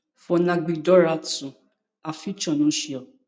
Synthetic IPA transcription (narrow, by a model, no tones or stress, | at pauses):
fɔnãɡ͡bidɔɾatũ | afit͡ʃɔ̃nũʃiɔ